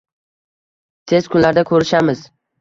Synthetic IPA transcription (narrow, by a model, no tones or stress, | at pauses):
t̪ʰe̞zkʰʊnlaɾd̪akʰɵɾɪʃamɪz̥